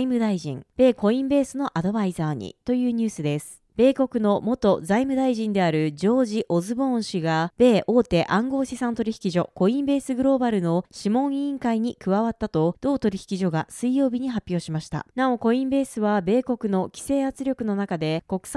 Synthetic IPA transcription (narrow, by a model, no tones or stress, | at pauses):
imɯ̟d̪aiʑḭ̃ŋb̥e̞ːko̞ĩmbe̞ːsɨno̞ʔad̪o̞baizaːɲ̟ḭt̪o̞jɯ̟ːɲ̟ɨːsɨd̪e̞sɨ̥ | b̥e̞ːko̞kɯ̟no̞mo̞t̪o̞zaimɯ̟d̪aiʑĩnd̪e̞aɾɯ̟d͡ʑo̞ːʑiʔo̞zɨbõ̞ɰ̃ɕiɡab̥e̞ːʔo̞ːt̪e̞ʔãŋɡo̞ːɕisãnt̪o̞ɾʲiçi̥kʲiʑo̞ko̞ĩmbe̞ːsɨɡɯ̟ɾo̞ːbaɾɯ̟no̞ɕimõ̞ɰ̃ĩŋkaiɲ̟ikɯ̟βaβat̪ːat̪o̞d̪̥o̞ːt̪o̞ɾʲiçi̥kʲiʑo̞ɡasɨijo̞ːbʲiɲ̟iɦapʲːjo̞ːɕimaɕi̥t̪a̰nao̞ko̞ĩmbe̞ːsɨβabe̞ːko̞kɯ̟no̞kʲi̥se̞ːat͡sɨɾʲjo̞kɯ̟no̞nakad̪e̞ko̞kɯ̟̥s